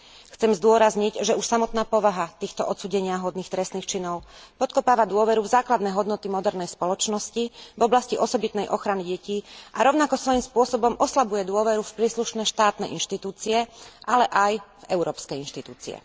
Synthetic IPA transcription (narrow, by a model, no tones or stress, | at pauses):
xt͡sɛmzd̪ʊɔɾazɲicʒɛuʃsamɔt̪naːpɔʋaɦat̪iːxt̪ɔʔɔt̪t͡suːɟɛɲɪaɦɔd̪niːxt̪ɾɛst̪niːxt͡ʃinɔʊpɔt̪kɔpaːʋad̪ʊɔʋɛɾuvzaːklad̪nɛɦɔd̪nɔt̪imɔd̪ɛɾnɛjspɔlɔt͡ʃnɔscivɔblasciʔɔsɔbit̪nɛjʔɔxɾaniɟɛciːʔaɾɔʊnakɔsʋɔjimspʊɔsɔbɔmʔɔslabujɛd̪ʊɔʋɛɾufpɾiːsluʃnɛːʃt̪aːt̪nɛʔinʃt̪it̪uːt͡siɛʔalɛʔajvɛʊɾɔːpskɛjinʃt̪it̪uːt͡sḭɛ̰